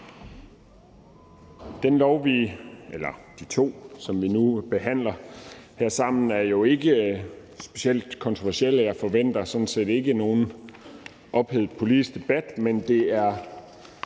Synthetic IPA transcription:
d̥enlɒʊʋiːʔelɐd̥it͡sʰo̝̰ːsɒ̽mʋinub̥e̝ɦæn̰lɐheɐ̰sɑ̈m̰n̩æɐjo̝e̝ɡ̥ə | sb̥e̝̥ɕel̰d̥kʰɒ̽nt͡sʰʁoʋæɐsiel̰jɑ̈ɪfɒ̽ʋen̰d̥ɐsɒ̽n̩se̝̰ːd̥e̝ɡ̥əno̝ːn̩ | ʔɒ̽b̥heð̩ˠpʰo̝lid̥isɡ̥d̥e̝b̥æd̥mend̥e̝æɐ

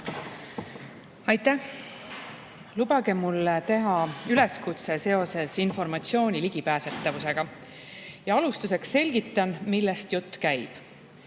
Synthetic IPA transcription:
ɑjt̪ːæh | lubɑɡ̥e̞mulːt̪e̞ɦɑyle̞skut̪se̞se̞o̞se̞sinfo̞rmɑt̪sio̞ːnʲiliɡ̥ipæːse̞t̪ˑːɑvuse̞ɡ̥ɑ | jɑɑlust̪use̞kse̞lʲɡit̪ːˑɑnmilːest̪jut̪ːkæjb̥

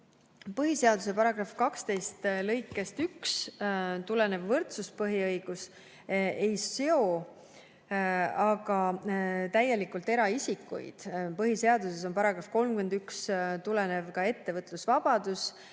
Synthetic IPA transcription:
pɤɦise̞ɑd̪use̞pɑɾɑɡ̥rɑfkɑkst̪e̞jst̪lɤjkːˑe̞st̪ykst̪ule̞ne̞vːɤrt̪suspɤɦiɤjɡ̥us | ʔe̞jeo̞ | ɑɡ̥ɑt̪æjːe̞likˑult̪e̞ɾɑisikːˑṵj̰d̪̥pɤɦise̞ɑd̪use̞s̬o̞npɑɾɑɡ̥ɾɑfko̞lmkymend̪ykst̪ulene̞vkɑe̞t̪ːe̞vɤt̪ˑlusvɑb̥ɑd̪̥us

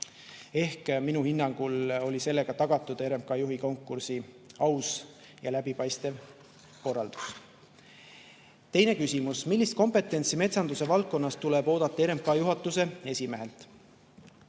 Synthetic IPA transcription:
e̞hkminuhinːɑŋɡ̥ulo̞lʲise̞lːe̞ɡ̥ɑt̪ɑɡ̥ɑt̪ːˑud̪̥e̞ɾe̞mkɑjuɦiko̞ŋkːˑursi | ɑws | jɑlæbipɑjst̪ev | ko̞rːɑld̪̥u̥s | t̪e̞jne̞kysʲimusmilʲːist̪̚ko̞mpe̞t̪ːˑe̞nt̪sime̞t̪sɑnd̪̥use̞vɑlt̪̚ko̞nːɑst̪ulebo̞ːd̪̥ɑt̪ːˑɑe̞ɾe̞mkɑjuɦɑt̪ːˑuse̞e̞sʲime̞ɦe̞lt̪ˑ

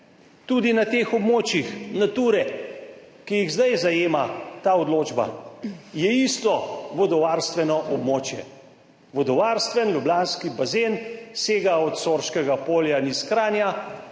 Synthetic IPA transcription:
t̪ud̪inat̪eːxɔbmoːt͡ʃjixnat̪uːɾɛ | kijiɣzd̪ajzajeːmat̪aːɔd̪loːd͡ʒba̰jɛist̪ɔʋɔd̪ɔʋaːɾst̪ʋɛnɔʔɔbmoːt͡ʃjɛ̰ | ʋɔd̪ɔʋaːɾst̪ʋɛnlʲjublaːnskibazenseːɡaɔt̪soɾʃkɛɡapoːljaniskɾaːnja

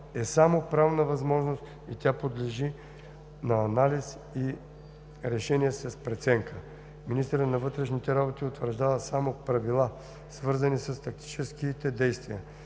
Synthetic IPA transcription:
ɛsamopɾavnəvɐzmɔʒnost̪ | it̪ʲapod̪lɛʒi | nɐːnalis | i | ɾɛʃɛniɛsɛspɾɛt̪sɛŋkʰə | minist̪əɾət̪nɐvɤt̪ɾɛʃnit̪ɛɾabot̪iʊt̪vəɾʒd̪avəsamopɾɐvilˠa | svɤɾzənisɐst̪ɐk̚t̪i̥t͡ʃɛskit̪ɛd̪ɛjst̪vijə

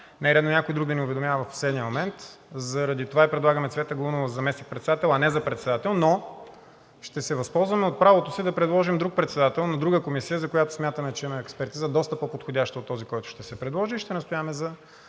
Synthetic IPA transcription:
nɛɾɛd̪nonʲakojd̪ɾuɡd̪ɐniʊvɛd̪omjavəvɐfo̥sɛd̪nʲiəmomɛnt̪ | zɐɾɐd̪it̪ovaipɾɛd̪lˠaɡəmɛt̪svɛt̪əɡlˠunovəzɐmɛsnik̚pɾɛt̪sɛd̪at̪ɛlˠɐnɛzɐpɾɛt̪sɛd̪at̪ɛlˠno | ʃt̪ɛsɛvɐspɔlˠzvɐmɛot̪̚pɾavot̪osid̪ɐpɾɛd̪lˠɔʒimd̪ɾuk̚pɾɛt̪sɛd̪at̪ɛlˠnɐd̪ɾuɡəkomisijəzɐkojat̪ʊ̥smʲjat̪əmɛt͡ʃɛimɐɛkspɛɾt̪izɐd̪ɔst̪əpəpot̪xodʲaʃt̪əot̪ːɔzikɔjt̪ʊ̥ʃt̪ɛsɛpɾɛd̪lˠɔʒiːʃt̪ɛnɐst̪ʊjaəmɛzɐ

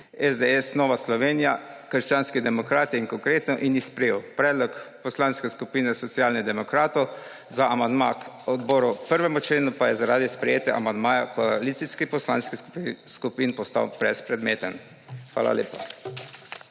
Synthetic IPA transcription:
ɛzd̪eɛsnɔːʋaslɔʋeːnijakəɾʃt͡ʃaːnskid̪ɛmɔkɾaːt̪jinkɔŋkɾeːt̪nɔʔinispɾɛjewpɾɛːd̪lɔkpɔslanskɛskupiːnɛsɔt̪sjaːlnid̪ɛmɔkɾaːt̪ɔw | zaʔamand̪ma̰k | ɔd̪bɔːɾupəɾʋɛmut͡ʃleːnupajɛzaɾaːd̪ispɾɛjeːt̪jɛ̰ʔa̰mand̪maːjakɔalit̪siskipɔsla̰nskiskupinpɔst̪a̰wb̥ɾɛspɾɛd̪meːt̪ən | xʋa̰ːla̰leːpa̰

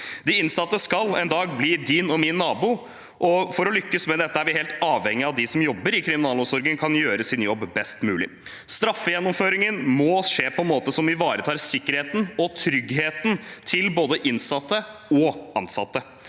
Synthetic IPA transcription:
d̪ɪɪnsɑt̪ːəskɑlɛnd̪ɑːɡ̚bliːd̪ɪnɔmɪnːɑːbuː | ʔɔfɔɾɔlʏkːəsmɛd̪ɛt̪ːəæɾʋɪɦeːlt̪ɑːʋhɛŋːɪɑʋd̪ɪsɔmjɔbːəɾɪkʰɾɪmɪnɑːlʊsɔɾɡəŋkʰɑnjøːɾəsɪnjɔbːbɛst̪mʉːlɪ̰ | st̪ɾɑfːəjɛnːɔmføːɾɪŋənmɔʂeːpʰɔɛnmoːt̪əsɔmʋɪʋɑːɾət̪ʰɑːɾsɪkːəɾheːt̪n̩ɔt̪ʰɾʏɡheːt̪nt̪ʰɪlboːd̪əʔɪnsɑt̪ːəɔɑnsɑ̰t̪ːə

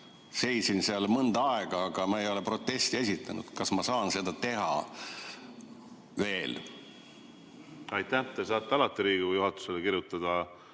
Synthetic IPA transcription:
se̞jsinseɑlmɤnd̪̥ɑɑeɡ̥ɑɑɡ̥ɑmɑejo̞le̞pro̞t̪ːˑe̞st̪ie̞s̬ʲit̪ːˑɑnṵd̪̥kɑsmɑsɑːnse̞d̪ɑt̪e̞ɦɑ̰ | ve̞ːl | ɑjt̪ːæht̪esɑːt̪ːeɑlɑt̪ːˑeɾiːɡijuɦɑt̪ːˑu̥selekiɾjut̪ːˑɑd̪̥ɑ

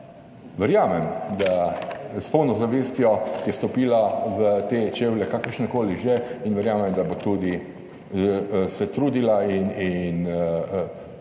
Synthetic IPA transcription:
ʋɛɾjaːmɛmd̪aspɔwnɔzaʋeːst̪jɔjɛst̪ɔpiːlaʋət̪et͡ʃewlɛkakəɾʃnɛkoːliʒeinʋɛɾjaːmɛmd̪abot̪ud̪i | sɛt̪ɾuːd̪ilainin

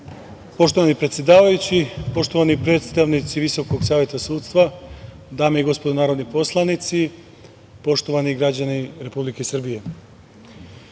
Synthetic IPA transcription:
po̞ʃt̪o̞ʋanipɾet̪sje̞d̪aːʋajut͡ɕipo̞ʃt̪o̞ʋanipɾe̞ːt̪st̪aʋnit̪siʋiso̞koɡsaːʋjet̪asuːdt̪st̪ʋa | d̪aːmeiɡo̞spod̪onaːɾo̞d̪nipo̞slˠanit̪si | po̞ʃt̪o̞ʋaniɡɾad͡ʑaniɾe̞publikesr̩bije̞

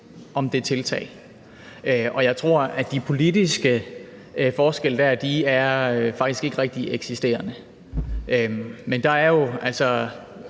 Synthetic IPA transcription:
ʔɒ̽md̥e̝t͡sʰe̝lt͡sʰɛ̰ːɪ | øʔɒ̽jɑ̈ɪt͡sʰʁo̝ɐ̰æd̥ipʰo̝lidisɡ̥ə | fɒːsɡ̥el̰əd̥æɐ̰d̥iæɐøfɑ̈ɡ̥d̥isɡ̥e̝ɡ̥əʁɛɡ̥̚d̥ieɡ̥sisd̥e̝̰ːɐnə | ʔømend̥ɑ̈æɐjo̝ʔælsɒ

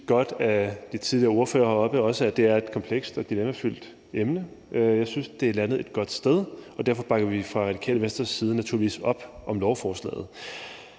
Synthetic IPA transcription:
ɡ̥ɒ̽d̥æd̥it͡sʰið̞ˠliɐo̝ɐfø̰ːɐhɒ̽b̥əɒ̽səæd̥e̝æɐe̝d̥kʰɒ̽mpʰleɡ̥sd̥ɒ̽d̥ilemæfyl̰d̥ | emnə | jɑ̈ɪsynsd̥e̝ælænð̩ˠe̝d̥̚ɡ̥ɒ̽d̥sd̥eð̞ˠɒ̽d̥æɐfɒ̽b̥ɑ̈ɡ̥ɐʋifʁɑ̈ʁɑ̥̈ikʰɛ̰ːləʋensd̥ɐsːiːð̞ˠənæt͡sʰṵɐliḭːsɒ̽b̥ʔɒ̽mlɒʊfɒːslɛ̰ːð̞̩ˠ

